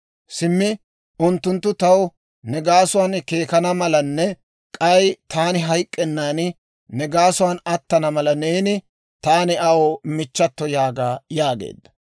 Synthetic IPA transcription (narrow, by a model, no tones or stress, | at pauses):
sɪmːɪ | ʊnt̪ːʊnt̪ːʊt̪ɐw | nɛɡaːsʊwaːnke̞ːkɐnɐmɐlɐnːɛ | kʼɐjt̪aːnɪɦɐjkʼːɛnːaːn | nɛɡaːsʊwanɐt̪ːɐnɐmɐlɐneːnɪ | t̪aːnɪɐwɔmɪt͡ʃːɐt̪ːɔjaːɡaːjaːɡḛːd̪ːɐ̥